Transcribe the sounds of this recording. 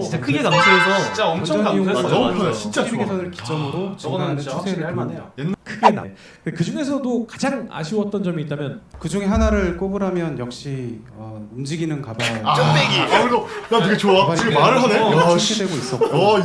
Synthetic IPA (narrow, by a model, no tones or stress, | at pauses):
akʰɯɡeasʰosʰʌit͡ɕamt͡ɕʰʌioeʌmkʰɯt͡ɕint͡ɕ͈aiɡesʰʌnɯɭki̥t͡ɕ͈ʌmɯɾot͡ɕɡanet͡ɕʰusʰeɾɯɭaɭmaekʰɯɡea̰ | ekɯd͡ʑuŋe̞s̬ʰʌdokad͡ʑaŋa̰ɕʰiwʌt̚t͈ʌnd͡ʑʌmiːt̚t͈amjʌnkɯd͡ʑuŋe̞ɦanaɾɯɭk͈obɯɾamjʌnjʌk̚ɕ͈i | ʌumd͡ʑiɡinɯnkabaeɡiɾonakɯɡet͡ɕoaaɯɡemaɾɯɭɦaneidwe̞ɡois͈ʌk